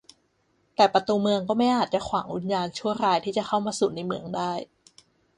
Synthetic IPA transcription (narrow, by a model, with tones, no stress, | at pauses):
t̪ɛː˨˩pɾa˧t̪uː˧mɯ˧əŋkɔː˥˩ma˥˩jʔaː˨˩t̪̚t͡ɕa˨˩kʰwaː˩˦ŋʔu˧˦njaː˧nt͡ɕʰu˥˩əɾaː˧jt̪ʰiː˥˩t͡ɕa˨˩xʰa˥˩wmaː˧suː˨˩na˧jmɯ˧əŋdaː˥˩j